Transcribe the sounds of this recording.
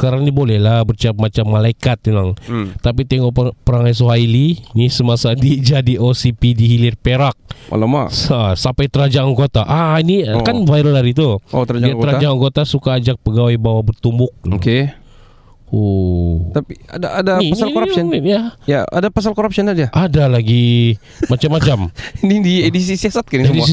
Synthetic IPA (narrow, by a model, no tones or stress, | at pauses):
kaɾanibolɛhlabərt͡ʃap̚mat͡ʃamːalaikat̪̚ilaŋt̪ap̬it̪eŋɔppəɾaŋajs̬oɦailinisəmasadid͡ʒadiʔosipidiɦilɪrpeɾak̚a̰loma̰sasampajt̪əɾad͡ʒaaŋɡot̪aʔainianvajɾəlaɾit̪uot̪əɾad͡ʒaaaŋt̪əɾaad͡ʒaaŋɡot̪asukaːd͡ʒak̚pəɡawajbawabərt̪umbʊk̚loke | ot̪apia̰daadaasalkoɾasɔnjajaa̰dapas̬alkoɾapsɔnad͡ʒaʔadalaɡi | mat͡ʃamːat͡ʃamnidiedis̬isiasat̪̚kaniedisi